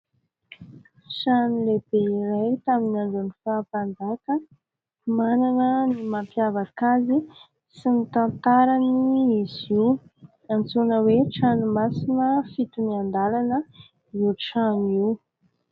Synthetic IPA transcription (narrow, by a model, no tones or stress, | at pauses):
sanileb̥eiɾajt̪aminaɳɖ͡ʐunifaːpand̪akə | mananənimampjavakazi | sinit̪ant̪aɾaniiziw | ant͡sunəweʈ͡ʂanumasinəfit̪umiand̪alanə | iwʈ͡ʂaniw